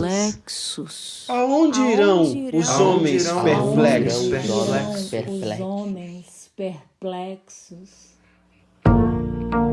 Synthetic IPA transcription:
lɛksʊs | aõd͡ʒɪiɾɐ̃w̃ʊzõmẽj̃speɾplɛsɔɛpeɾlɛ̰õmẽj̃s | peɾplɛksʊs

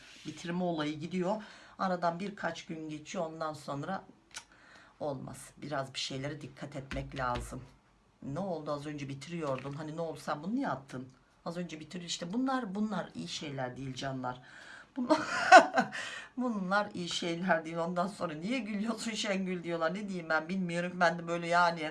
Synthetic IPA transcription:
bit̪ʰiɾimɛo̞lˠajɯɟid̪ijo̞aɾad̪anbiɾkʰat͡ʃɟynɟe̞t͡ʃʰijo̞o̞nd̪anso̞nɾa | o̞lˠma̰z̥biɾazbi̥ʃe̞jlʲe̞ɾɛd̪ikʰːat̪ʰɛt̪mɛclʲaːzɯm | nɛo̞lˠd̪uazø̞nd͡ʒɛbit̪ʰiɾijo̞ɾd̪unɦaninɛo̞lˠsambunujapt̪ʰːɯn | azø̞nd͡ʒɛbit̪ʰiɾijoiʃt̪ʰɛbunlˠaɾbunlˠaɾḭjiʃe̞jlʲæɾd̪ijilʲd͡ʒanlˠaɾ̥b̥unˠa | bunlˠaɾijiʃe̞jlʲæɾd̪ejilʲond̪anso̞nɾanijɛɟylʲijo̞sunʃɛɲɟylʲd̪ijo̞lˠaɾned̪ijimbænbilʲmijo̞ɾumbænd̪ɛbø̞jlʲɛjaːnɪ

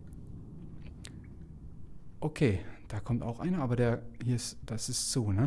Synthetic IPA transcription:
ʔokʰeːd̥aːkʰɔmta̰ʊxʔa̰ɪnɐʔaːbɐɾeːɐhiːɐɪsd̥asɪstz̥oːnə

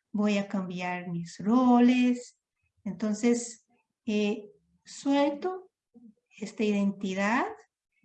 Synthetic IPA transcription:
bojakambjaɾmisroles | ent̪õnses | e | swelt̪o | est̪aiðẽnt̪iðað

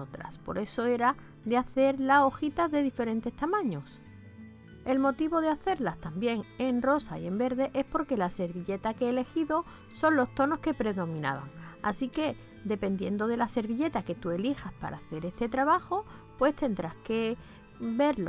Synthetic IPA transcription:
ot̪ɾa̰spo̞̰ɾe̞so̞e̞ɾa | d̪eaθe̞ɾlao̞xit̪aðe̞ðife̞ɾẽ̞nt̪e̞st̪amãɲo̞s | e̞lmo̞t̪iβo̞ð̞eaθe̞ɾlast̪ambje̞ŋenro̞saie̞mbe̞ɾðe̞ʔe̞spo̞ɾke̞lase̞ɾβiʎe̞t̪akeeːle̞xiðo̞ | so̞nlo̞st̪o̞no̞ske̞pɾe̞ðo̞mĩna̰βa̰ŋa̰sike̞ | d̪e̞pe̞nd̪je̞nd̪o̞ð̞e̞lase̞ɾβiʎe̞t̪ake̞t̪ue̞lixaspa̰ɾaθe̞ɾe̞st̪e̞t̪ɾaβaxo̞ | pwe̞st̪e̞nd̪ɾaske̞ | be̞ɾlo

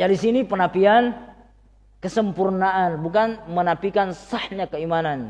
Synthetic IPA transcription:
d͡ʒaɾisinipənapian | kəsəmpurnaanbukanmənapikansahɲakəimanan

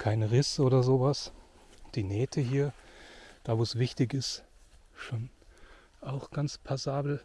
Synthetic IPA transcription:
kʰaɪnʁɪsʔoːdɐzoːvas | d̥iːnɛːtʰəɦiːɐd̥aːvoːɛsv̥ɪçtɪçɪst | ʃoːn | aʊxɡ̥ant͡spʰazaːbl̩

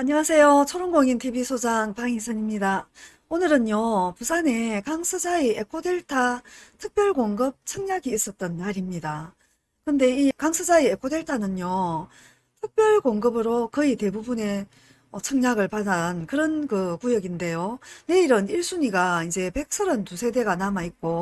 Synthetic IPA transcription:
aɲiŋasʰe̞jot͡ɕʰʌɾonɡoŋintʰibisʰod͡ʑaŋpaŋisʰɯɲimɲida | onɯɾɯnjopusʰane̞kaŋsʰɯd͡ʑaiekʰode̞ɭtʰatʰɯk̚p͈jʌɭkoŋɡɯp̚t͡ɕʰɯŋɲaɡiːs͈ʌt̚t͈ʌnmaɾimɲida | kɯnde̞ikaŋsʰɯd͡ʑaiekʰode̞ɭtʰanɯnjo | tʰɯk̚p͈jʌɭkoŋɡɯbɯɾokɯite̞bubune̞ | ʌt͡ɕʰɯŋɲaɡɯɭpadankɯɾʌnkɯkujʌɡinde̞jone̞iɾʌniɭs͈uɲiɡaid͡ʑe̞pe̞k̚s͈ɯɾɯntusʰe̞de̞ɡanamaik̚k͈o

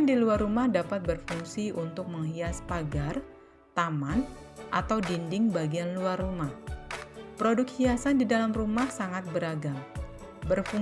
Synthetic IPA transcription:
ndiluarumahdapat̪̚bərfuŋsiʔunt̪ʊk̚məŋɦiaspaɡar | t̪aman | ʔat̪awdindɪŋbaɡianluarːumah | pɾodʊk̚hiasandidalamrumahsaŋat̪̚bəɾaɡaŋ | bərfuŋ

